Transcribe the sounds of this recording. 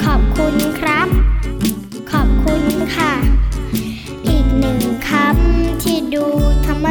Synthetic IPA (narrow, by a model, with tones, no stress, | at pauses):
kʰɔː˨˩p̚kʰu˧nkʰɾa˦˥p̚ | kʰɔː˨˩p̚kʰu˧nkʰa˥˩ | ʔiː˨˩k̚nɯ˨˩ŋkʰa˧˦˥mt̪ʰiː˥˩duː˧t̪ʰa˧mːa˧